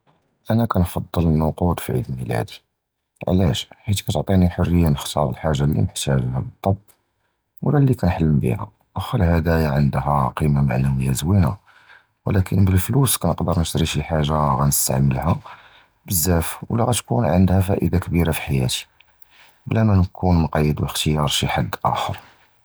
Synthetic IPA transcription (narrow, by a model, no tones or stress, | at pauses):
ʔænækænfɑd̪ˤːələnʊqut̪ˤfiʕḭd̪lmilæ̰d̪i | ʕ̰læʃħit̪kæt̪ʕt̪ˤiniħorːəjːanəxt̪ʰˤɑ̰ɾˤəlħaʒːalːḭməħt̪æʒhæbət̪ˤːɑb | wəlːælːikænħalːəmbḭhæ̰ | ʔxælhæd̪æjaʕənd̪ɦæqimama̰ʕlæwijæzwina | wlækʰənbəlfluskænəqd̪əɾnəʃt̪ɾiʃiħaʒːaɣænəst̪a̰ʕməlhæ | bəzːæfwlːæɣæt̪kunʕənd̪hæfæʔə̰d̪akbiɾafi̥ħajæ̰t̪i̥ | blæmænkʰunmqɑjːəd̪wəxt̪əjɑɾˤʃiħad̪ːʔæ̰xə̰ɾ